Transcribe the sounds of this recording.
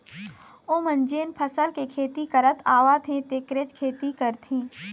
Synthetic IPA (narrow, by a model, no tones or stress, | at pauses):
õːmə̃nd͡ʒeːnpʰəsəlkekʰeːt̪ikəɾət̪ʰaːʋat̪ʰẽt̪eːkɾet͡ʃkʰeːt̪ikəɾt̪ʰẽː